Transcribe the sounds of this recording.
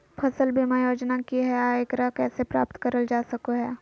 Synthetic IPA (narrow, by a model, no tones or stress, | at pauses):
pʰɐsəlbʱimajoːd͡ʒnakiɦɛaːekɾakɛːsepɾa̰ːpt̪kɐɾəld͡ʒaːsɐkoɦɛː